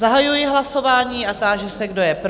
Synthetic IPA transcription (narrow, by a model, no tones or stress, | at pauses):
zaɦajujɪɦlaso̞vaːɲiːʔat̪aːʒɛsɛɡdo̞jɛpɾ